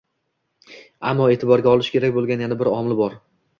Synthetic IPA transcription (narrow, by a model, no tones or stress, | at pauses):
amːɒe̞ːt̪ʰɪbɒɾɡʲaɒlˠɪʃkʲʰe̞ɾakʲbolˠɡʲanjanabɪɾɒmlɪbɒɾ